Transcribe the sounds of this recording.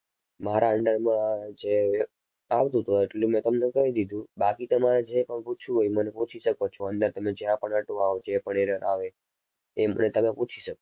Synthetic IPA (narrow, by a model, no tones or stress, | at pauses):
maɾaəɳɖəɾmãd͡ʒe | aʋt̪ũt̪oeʈlemɛ̃t̪əmnekəɦid̪id̪ʱũbakit̪əmaɾed͡ʒepəɳput͡ʃʰũɦojmənepũt͡ʃʰiʃəkot͡ʃʰoənd̪əɾt̪əmed͡ʒjãpəɳəʈoaɦod͡ʒepəɳeɾəɾʔaʋeː | mə̰net̪əmeput͡ʃʰiʃəko